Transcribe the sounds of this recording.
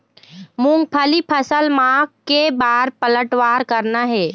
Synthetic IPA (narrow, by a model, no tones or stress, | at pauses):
mũŋɡ̚pʰəlipʰəsəlmãːkkebaːɾpələʈʋaːɾkəɾnaɦɛː